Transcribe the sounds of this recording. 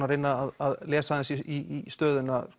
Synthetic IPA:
naɾɪnːaːðaðlɛːsaɪnsiist̪œːðʏna

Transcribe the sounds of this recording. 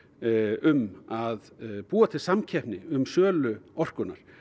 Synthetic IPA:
ʏmaðpuːat̪ʰɪlsamcʰɛhpnɪʏmsœːlʏɔr̥kʏna̰ɾ̥

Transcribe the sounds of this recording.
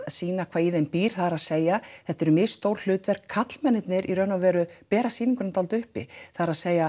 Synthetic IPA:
siːnakʰvaːiðejmpiːɾ̥θaðaɾaðseːjaθɛht̪ːɛɾʏmɪːst̪owɾ̥l̥ʏːt̪vɛr̥kʰːat̪l̥mɛnːɪt̪nɪɾʔirœnavɛːɾʏpɛːɾasiːniŋkʏnat̪alt̪ʏhpɪ̰θaðɾaðseːja

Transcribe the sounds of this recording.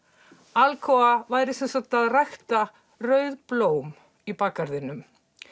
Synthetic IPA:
alkʰɔavaːjɾɪsɛnsat̪aðrajxt̪a | rœɥðploːwm | ipaːkaɾðɪnʏm

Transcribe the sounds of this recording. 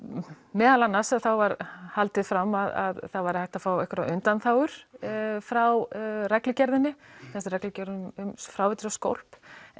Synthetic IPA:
mɛːðalanːḁsaðθawvaɾhalt̪ɪðfɾamːaða̰ðθaðvajɾɪhajht̪afaːwɛhkvɾaʔʏnt̪anθaːwʏɾ̥fɾawrɛklɪcɛɾðɪnːɪθɛsaɾɛklɪcɛɾðɪmʏmfɾawvɛt̪ɪɾawsko̰wl̥p

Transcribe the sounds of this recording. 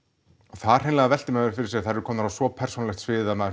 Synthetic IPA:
ɔθaðɾ̥hɛnlaɛɣðavɛlt̪ɪmɛnʏɾ̥fɪɾɪ̥ɾsjɛaθaɾɛɾʏkʰɔːmnaɾawsvɔpʰɛr̥sunlɛxt̪svɪːðamɛð

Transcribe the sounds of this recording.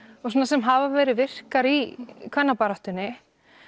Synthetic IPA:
ɔsoːnasɛmɦavavɛːɾɪvɪr̥kaɾikʰvɛnːapaɾaht̪ʏnːɪ

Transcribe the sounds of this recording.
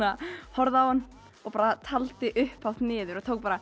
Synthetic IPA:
ahɔɾðaawhanː | ɔpaːɾat̪ʰalt̪ɪʔʏhpawht̪nɪːðʏɾɔt̪ʰowk̚paːɾa

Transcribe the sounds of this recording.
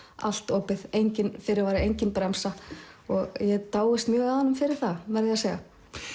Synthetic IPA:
a̰l̥t̪oːpɪðejɲcɪnfɪɾɪɾvaːɾɪejɲcɪnpɾamsaɔɣjɛt̪aːwɪst̪mjœːɣaðanʏmfɪɾɪɾ̥θavɛɾðɪaseːjɣa

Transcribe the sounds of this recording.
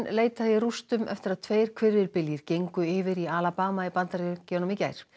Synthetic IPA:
nleːjtt̪ajɪrust̪ʏmʔɛ̰ft̪ɪɾaðt̪ʰveːjɾ̥kʰvɪɾvɪlpɪljɪɾ̥cejŋkʏɪːvɪɾialapaːmaipant̪aɾiconɔmica̰jɾ̥

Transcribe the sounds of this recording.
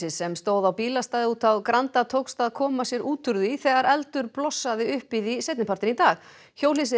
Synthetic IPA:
ɪsɛmst̪oːwðawpiːlast̪aːðɪuːt̪awkɾant̪at̪ʰowkst̪aðkʰɔːmasjɛɾʔuːt̪ʏɾðiθɛɣaɾɛlt̪ʏɾplɔsːaðɪʏhpiðisejt̪nɪpʰaɾ̥t̪ɪnit̪aːx | çowlisɪ

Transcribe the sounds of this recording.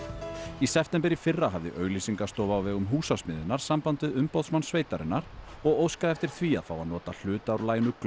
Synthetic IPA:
isɛft̪ɛmpɪɾifɪrːaɦavðɪ̰ʔœːɥlisiŋkḁst̪owvawvɛːɣʏmɦuːsasmɪðɪnːaɾ̥sampant̪ɪðʏmpowðsmansveːjt̪aɾɪ̰nːaɾɔɣowskaðɛft̪ɪɾ̥θviːa̰ðfawaðnɔːt̪al̥ʏːt̪awɾlaːjnʏkl

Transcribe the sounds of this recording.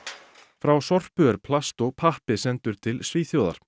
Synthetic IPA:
fɾawsɔr̥pʏɛɾ̥pʰlast̪ɔɣpʰahpɪsɛnt̪ʏɾ̥t̪ʰɪlsviːθjowða̰ɾ̥

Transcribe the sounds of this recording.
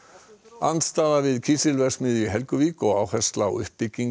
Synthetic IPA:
a̰nt̪st̪aːðavɪðcʰisɪlvɛɾ̥smɪðiɦɛlkʏviːkɔɣawhɛst̪lawʏ̰hpɪcːiŋ

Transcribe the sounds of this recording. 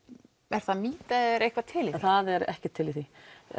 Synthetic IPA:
ɛɾ̥θaðmiːt̪aɛɾejhkʰvat̪ʰɪlɪθaðɛɾɛ̰hcɪt̪ʰːɪliθi

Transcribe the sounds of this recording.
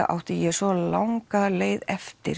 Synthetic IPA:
ʔa̰wht̪ɪjɛsvɔlawŋkaleːjðɛft̪ɪ̰ɾ

